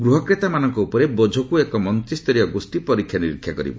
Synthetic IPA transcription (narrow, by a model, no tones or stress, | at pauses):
ɡɾuɦɔkɾet̪amanɔŋkɔupɔɾebɔd͡ʒʱɔkuekɔmɔnt̪ɾist̪ɔɾijɔɡosʈipɔɾikkʰːjaniɾikʰːjakɔɾḭbɔ